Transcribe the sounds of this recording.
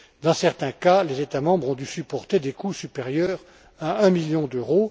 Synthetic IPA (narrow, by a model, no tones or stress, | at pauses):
d̪ɑ̃sɛʁt̪ɛ̃kalezet̪amɑ̃bʁɔ̃d̪ysypɔʁt̪ed̪ekusypeʁjœːʁ | aɛ̃miljɔ̃d̪øʁo